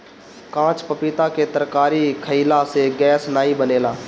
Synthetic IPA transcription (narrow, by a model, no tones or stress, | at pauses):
kãːt͡ʃpəpiːt̪aket̪əɾkaːɾikʰəiːlaseɡɛːsnaːibəneːlaː